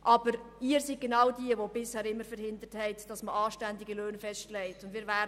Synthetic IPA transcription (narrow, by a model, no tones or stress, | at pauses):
ʔɑb̥əɾ | iːɾsit̚ɡ̥enɑwdiəvob̥ɪshɛːɾɪmːəɾfəɾhɪnd̪əɾthɛɪtd̥ɑsməʔɑːʃtændɪɡəløːnfɛʃtlɛɪtʊndvɪːɾvæː